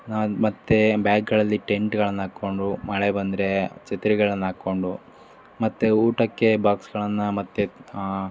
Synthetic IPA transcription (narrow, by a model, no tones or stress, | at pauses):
namɐt̪ːebaːɡɡɐɭɐlːiʈeɳʈɡɐɭɐnːɐaːkːo̞ɳɖumɐɭebɐnd̪ɾet͡ʃet̪iɾiɡɐɭɐnːɐaːkːo̞ɳɖu | mɐt̪ːeuːʈɐkːe̞baːksɡɐɭɐnːɐmɐt̪ːe